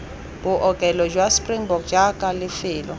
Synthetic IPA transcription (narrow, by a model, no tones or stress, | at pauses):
buʔɔkʼɛlɔd͡ʒwaspriŋbɔɡd͡ʒakʼalɪfɪːlɔ